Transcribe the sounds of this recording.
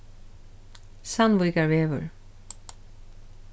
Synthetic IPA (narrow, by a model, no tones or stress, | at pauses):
sanvujkaɹveːvʏ̰ɹ